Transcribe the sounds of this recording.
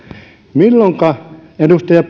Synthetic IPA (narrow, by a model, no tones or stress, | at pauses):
milːoŋkɑedust̪ɑjɑp